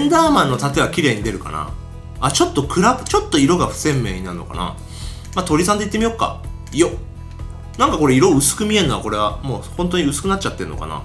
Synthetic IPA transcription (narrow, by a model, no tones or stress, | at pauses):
ẽnd̪aːmãnːo̞t̪at̪o̞ebakʲiɾe̞ːɲ̟id̪e̞ɾɯ̟ka̰na̰ | at͡ɕo̞t̪ːo̞kʰɯ̟ɾabɯt͡ɕo̞t̪ːo̞iɾo̞ɡaɸɯ̟̥sẽ̞mːe̞̰ːɲ̟inaɾɯ̟no̞ka̰na̰ | mat̪o̞ɾʲisãnd̪eit̪ːemijo̞kːa̰ | ijo̞ | nãŋkako̞ɾe̞iɾo̞ɯ̟sɨ̥kɯ̟mʲie̞nːoa̰ko̞ɾe̞βamo̞ːhõ̞nt̪̬o̞ɲ̟iɯ̟sɨ̥kɯ̟natt͡ɕat̪ːe̞n̟o̞ka̰na̰